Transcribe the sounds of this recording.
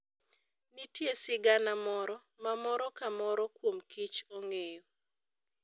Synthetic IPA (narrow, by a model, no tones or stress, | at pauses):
nitjesɪɡanamɔɾɔ | mamɔɾɔkamɔɾɔkwomkit͡ʃoŋejo